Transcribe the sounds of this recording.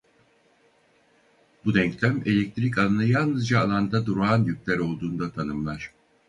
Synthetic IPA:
bud̪ɛɲclʲæme̞lʲɛc̚t̪ʰɾic̬ananɯjalˠnɯzd͡ʒaːlˠand̪ad̪uɾuanjyc̚ʲlʲæɾo̞lˠd̪uːnd̪at̪ʰanɯmlˠaɾ̥

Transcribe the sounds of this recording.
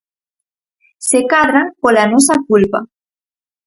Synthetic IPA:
sekaðɾaŋpolanos̬akulpa

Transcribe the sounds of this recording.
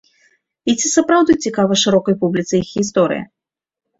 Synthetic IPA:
it͡sʲisɐpɾawd̪ut͡sʲikavɐʂɨɾɔkɐjpublʲit̪sɨjixɣʲist̪ɔɾɨ̰jḭ

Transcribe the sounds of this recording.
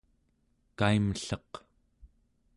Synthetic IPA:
kaiməɬʌq

